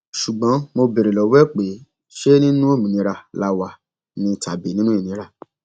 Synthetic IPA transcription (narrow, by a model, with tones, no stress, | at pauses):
ʃu˨ɡ͡bɔ̃˨˦mo˧be˨ɾe˨lɔ˨wɛ˦k͡pe˨˦ | ʃe˦nĩ˦nũ˦o˦˨mĩ˨nĩ˧˦ɾa˧la˧wa˧ | nĩ˧˦tʰa˨be˨˦nĩ˦nũ˦i˦˨nĩ˨˦ɾa˧